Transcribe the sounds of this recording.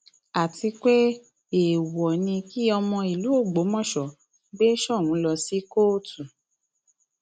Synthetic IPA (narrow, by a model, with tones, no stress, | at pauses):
a˨ti˧k͡pe˦ | e˨wɔ˨nĩ˧ki˦ɔ˧mɔ̃˧i˨lu˨˦o˦˨ɡ͡bo˨˦mɔ̃˦˨ʃɔ˨ | ɡ͡be˦ʃɔ˦˨wũ˨˦lɔ˧si˦ko˦tu˨